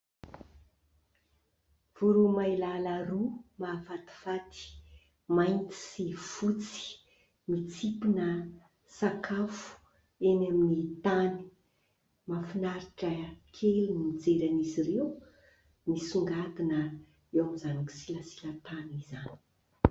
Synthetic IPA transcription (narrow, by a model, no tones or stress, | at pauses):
v̥uɾumailalarumavat̪i̥fat̪i̥ | majnt̪i̥sifut͡si̥ | mit͡sipinə | sakʰafu̥ | enaminit̪ani̥ | mafinaɾiʈ͡ʂəkʰelunid͡zeɾaniziɾew | nisuŋɡat̪inə | ewamizanaki̥siləsi̥lət̪anizani̥